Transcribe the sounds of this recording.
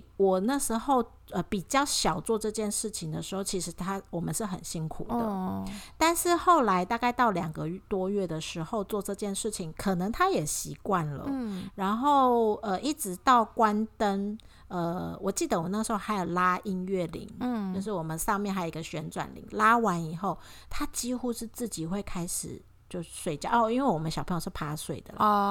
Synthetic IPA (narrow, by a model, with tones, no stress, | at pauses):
wɔ˨˩na˥˩ʂɻ̩˧˥xo˥˧ʊ | ə˧pi˨˩t͡ɕjɑ˥˩ʊɕjɑ˨˩ʊt͡swɔ˥˧ʈ͡ʂɤ˥˧t͡ɕjɛ˥˧nʂɻ̩˥˩t͡ɕʰi˨˩ŋd̪ə˨ʂɻ̩˧˥xo˥˩ʊt͡ɕʰi˧˥ʂɻ̩˧˥t̪ʰa˥wɔ˨˩mə̰˦nʂɻ̩˥˩xə̰˨˩nɕi˥ŋkʰṵ˨˩d̪ə˧˦t̪a˥˧nʂɻ̩˥˧xo˥˩ʊla˧˥ɪt̪a˥˧ka˥˧ɪt̪ɑ˥˩ʊljɑ˨˩ŋɡə˦˥˩t̪wɔ˥ɥɛ˥˩d̪ə˩ʂɻ̩˧˥xo˥˧ʊt͡swɔ˥˧ʈ͡ʂɤ˥˧t͡ɕjɛ˥˧nʂɻ̩˥˩t͡ɕʰi˨˩ŋkʰɤ˨˩nə˧˦ŋt̪ʰa˥jɛ˨˩ɕi˧˥kwa˥˩nlə̰˩ɻa˧˥nxo˥˩ʊə˧ʔi˥˩ʈ͡ʂɻ̩˧˥t̪ɑ˥˩ʊkwa˥nt̪ə˦n | ə˧wʔɔ˨˩t͡ɕi˥˩d̪ə˩wə˦na˥˩ʂɻ̩˧˥xo˥˩xa˧˥ɪjo˨˩ʊla˥i˥nɥɛ˥˩lḭ˧˥ŋt͡ɕjo˥˧ʊʂ̬ɻ̩˥˩wɔ˨˩mə˦nʂɑ˥˧ŋmjɛ˥˩nxa˥o˨˧i˦ɡə˧ɕɥɛ˧˥nʈ͡ʂwa̰˨˩nlḭ˧˥ŋla˥wa˧˦ni˨˩xo˥˩ʊt̪ʰa˥t͡ɕi˥xu˥ʂɻ̩˥˧t͡sɹ̩˥˩t͡ɕi˨˩xwe˥˩ɪkʰa˥ɪʂɻ̩˨˩ | t͡ɕjo˥˧ʊ˧swe˥˩ɪt͡ɕjɑ˥˧˩ɔ˥˧i˥nwe˥˩ɪwɔ˨˩mə˦nɕɑ˨˩pʰjʂ̩˥˩pʰa˥swe˥˩ɪd̪ə̰˨l